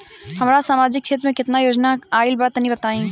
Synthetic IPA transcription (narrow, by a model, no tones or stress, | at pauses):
hɐmːɾasaːmaːd͡ʒɪkːʃʰeːt̪ɾəmẽkɪt̪najoːd͡ʒnaaːɪlbaɾt̪ɐɦĩbɐt̪aːĩː